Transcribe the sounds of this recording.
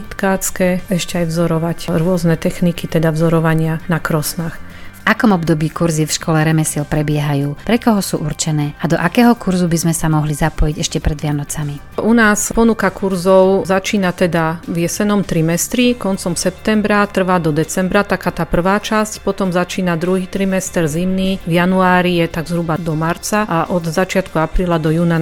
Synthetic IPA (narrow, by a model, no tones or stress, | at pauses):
t̪kaːt͡skɛɛʃcɛajvzɔɾɔʋacɾʊɔznɛt̪ɛxnikit̪ɛd̪avzɔɾɔʋaɲɪanakɾɔsnaːx | ʔakɔmɔbd̪ɔbiːkuɾzifʃkɔlɛɾɛmɛsilpɾɛbɪɛɦajuːpɾɛkɔɦɔsuːʔuɾt͡ʃɛnɛːad̪ɔʔakɛːɦɔkuɾzubizmɛsamɔɦlizapɔjiɟɛʃcɛpɾɛd̪ʋɪanɔt͡sami | ʔunaːspɔnukakuɾzɔʊzat͡ʃiːnat̪ɛd̪aʋjɛsɛnɔmt̪ɾimɛst̪ɾikɔnt͡sɔmsɛpt̪ɛmbɾat̪r̩ʋaːd̪ɔd̪ɛt͡sɛmbɾat̪akaːt̪aːpr̩ʋaːt͡ʃascpɔt̪ɔmzat͡ʃiːnad̪ɾuɦiːt̪ɾimɛst̪ɛɾzimnivjanuaːɾijɛt̪aɡzɦɾubad̪ɔmaɾt͡saʔaʔɔd̪zat͡ʃɪat̪kuapɾiːlad̪ɔjuːna